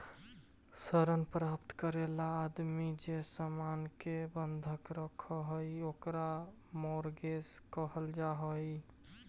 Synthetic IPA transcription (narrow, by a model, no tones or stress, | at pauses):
səɾənpɾapt̪kəɾelaːd̪mid͡ʒesəmankebənd̪ʱəkɾəkʰɔɦojokɾa | moɾɡeskəɦəld͡ʒaɦoj